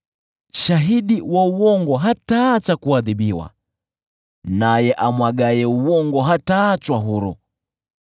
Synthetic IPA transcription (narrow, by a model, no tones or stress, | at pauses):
ʃaɦiɗiwauwɔŋɡɔɦataːt͡ʃakuaðiɓiwa̰ | najɛʔamwaɡajɛuwɔŋɡɔɦataːt͡ʃwaɦuɾṵ